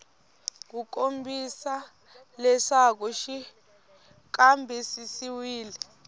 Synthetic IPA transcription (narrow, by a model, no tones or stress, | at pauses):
k̬uk̬ʼombʱisa | lɛsak̬uʃi | k̬ambʱɛsisiwiːlɛ